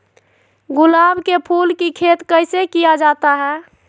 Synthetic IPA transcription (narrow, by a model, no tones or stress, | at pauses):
ɡulabkepʰulkikʰet̪kəɪsekijad͡ʒat̪aɦɛ